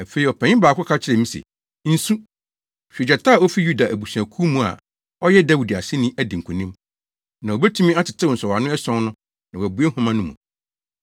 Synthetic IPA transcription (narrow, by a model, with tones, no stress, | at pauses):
æ˨fe˨i˨ɔ˨pʰɛ̃˨ɲɪ̃˦baː˨kʰʊ˦kʰa˦t͡ɕʰɪ˦ɾɛ˨mĩ˦sɛ̰˨ | n̩˦sũ˦ | ɕᶣe˨d͡ʑa˨tʰa˦˨ɔ˦fi˦ju˦da˨ʔæ˨bu˨su˨æ˨kʰu˦mũ˦a̰˨ | ɔ˦jɛ˦da˦wu˨di˨a̰˨sɪ˦nĩ˦ʔæ˦dɪ̃˨ŋ˨kʰũ˨nĩ˦m | nã˨o˨bɛ˦tʰũ˦mĩ˦a˦tʰɪ˨tʰɪ˦˨n̩˨sɔ˨wa˨nʊ̃˦ɛ˦sɔ̃˦n˦nʊ̃˦ | nã˨wæ˨bu˨˦e˦hʊ̃˦mã˦nʊ̃˦mũ˨